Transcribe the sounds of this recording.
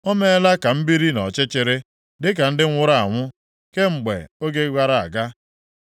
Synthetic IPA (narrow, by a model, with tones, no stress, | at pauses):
o˦me˦la˦ka˨m̩˦bi˦ɾi˦nɔ˨t͡ʃɪ˦t͡ʃɪ˨ɾɪ˦ | dɪ˦k̬a˨n̩˦dɪ˦ŋ̩ʷ˦ʊ˦ɾa˦a˨ŋʷʊ˦ | ke˦ŋ͡m̩˨ɡ͡bḛ˨o˦ɡe˦ɡʷa˦ɾa˨a̰˨ɡa˦